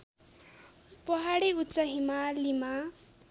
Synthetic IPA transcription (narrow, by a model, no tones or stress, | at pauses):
pʌɦaɽiutːsʌɦimalima